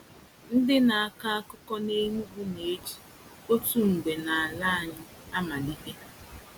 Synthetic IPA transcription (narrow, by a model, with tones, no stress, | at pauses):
n̩˦dɪ˦na˨a˨ka˦a˦kʊ˦kɔ˦ne˦mu˦ɡu˦ne˨e˦d͡ʒi̥˨ | o˦tu˦ŋ͡m̩˨ɡ͡be˨na˨a˨la˦a˨ɲɪ˦ | a˦ma˨di˦ke˦